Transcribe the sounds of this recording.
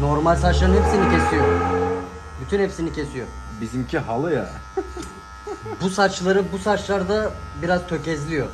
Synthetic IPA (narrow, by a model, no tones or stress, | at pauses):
no̞ɾmalʲsat͡ʃlˠaɾɯnɦepsinicʲʰe̞sijo | byt̪ʰynhepsinicʰe̞sijo | bizimcʰiɦalˠɯja̰ | busat͡ʃlˠaɾɯbusat͡ʃlˠaɾd̪abiɾaz̥t̪ʰø̞cɛzlʲijo̞